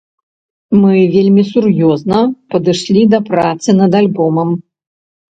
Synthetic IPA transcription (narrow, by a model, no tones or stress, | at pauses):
mɨvʲelʲmʲisurjɔznɐpɐd̪ɨʂlʲid̪ɐpɾat̪sɨnɐd̪alʲbɔmɐm